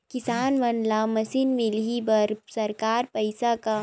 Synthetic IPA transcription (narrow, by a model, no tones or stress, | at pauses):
kɪsaːnʋɐnlamɐsinmɪlɦibɐɾsɐɾkaːɾpɐɪsaka